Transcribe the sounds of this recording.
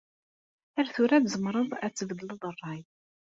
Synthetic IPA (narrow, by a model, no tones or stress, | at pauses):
æɾθʊɾæðzəmɾˤəðˤæt͡sːəvd̪ələðˤərˤːɑj